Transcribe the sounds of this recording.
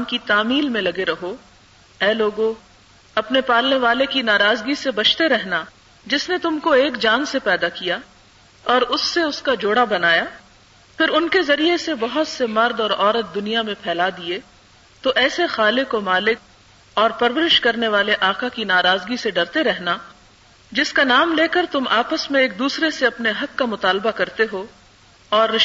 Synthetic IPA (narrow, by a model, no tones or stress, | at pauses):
mkit̪aːmiːlmẽlɐɡeɾɐɦo | ɛːloːɡõ | ɐpnepaːlneʋaːlekinaːɾaːzɡisebɐt͡ʃʰt̪eɾɛɦna | d͡ʒɪsnet̪ʊmkoeːkd͡ʒaːnsepɛːd̪akija | ɔːɾʊsːeʊskad͡ʒoːɽabɐnaːjaː | pʰɪɾʊnkezɐɾijesebɐɦʊt̪semɐɾd̪ɔːɾɔːɾət̪̚d̪ʊnijamẽpʰɛːlad̪ie | t̪oʔɛːsexaːlɪkomaːlɪk̚ | ɔːɾpɐɾʋəɾɪʃkɐɾneʋaːleʔaːkakinaːɾaːzɡiseɖɐɾt̪eɾɛɦna | d͡ʒɪskanaːmleːkəɾt̪ʊmʔaːpəsmẽeːk̚d̪uːsɾeseɐpneɦɐkːamʊt̪aːlbakɐɾt̪eɦo | ɔːɾːɪ